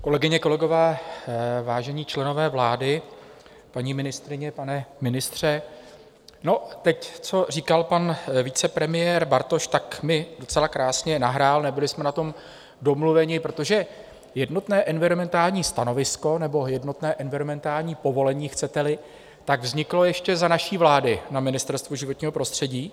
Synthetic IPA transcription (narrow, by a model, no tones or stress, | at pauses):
ko̞lɛɡɪɲɛko̞lɛɡo̞vɛː | vaːʒɛɲiːt͡ʃlɛno̞vɛːvlaːdɪ | paɲiːmɪnɪst̪ɾɪɲɛpanɛmɪnɪst̪r̝̥ɛ | no̞t̪ɛct͡so̞r̝iːkalpanviːt͡sɛpɾɛmɪjɛːɾbaɾt̪o̞ʃt̪akmɪdo̞t͡sɛlakɾaːsɲɛnaɦɾaːlnɛbɪlɪsmɛnat̪o̞m | do̞mluvɛɲɪpɾo̞t̪o̞ʒɛ | jɛdno̞t̪nɛːʔɛnvɪɾomɛnt̪aːlɲiːst̪ano̞vɪsko̞nɛbo̞jɛdno̞t̪nɛːʔɛnvɪɾomɛnt̪aːlɲiːpo̞vo̞lɛɲiːxt͡sɛt̪ɛlɪ | t̪aɡvzɲɪklo̞jɛʃcɛzanaʃiːvlaːdɪnamɪnɪst̪ɛɾst̪vuʒɪvot̪ɲiːɦo̞pɾo̞st̪r̥ɛɟiː